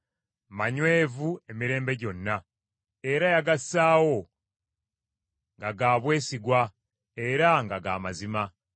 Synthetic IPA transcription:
maɲwe̞ːvue̞miɾe̞ːmbe̞ɟo̞nːa | e̞ɾajaɡasaːwo̞ | ŋɡaɡaːβwe̞ːsiɡwa | e̞ɾaŋɡaɡa̰ːmazima

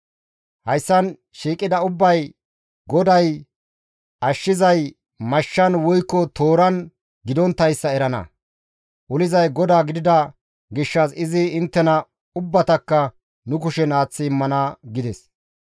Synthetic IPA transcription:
hɐjsːɐn | ʃiːkʼɪd̪ɐʊbːɐj | ɡɔd̪ɐj | ʔɐʃːɪzɐj | mɐʃːɐnwʊjkːɔt̪o̞ːɾɐn | ɡɪd̪ɔnt̪ːɐjsːɐɛɾɐnɐ̰ | ʔʊlɪzɐjɡɔd̪aːɡɪd̪ɪd̪ɐ | ɡɪʃːɐsɪzɪɪnt̪ːɛnɐ | ʊbːɐt̪ɐkːɐ | nʊk̬ʊʃɛnaːt͡sːɪɪmːɐnɐɡɪd̪ɛs

